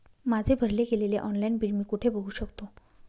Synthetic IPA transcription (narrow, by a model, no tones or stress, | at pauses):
mad͡zʱebʱəɾleɡeleleʔɔnlainbilmiːkuʈʰebəɦuːɕəkt̪o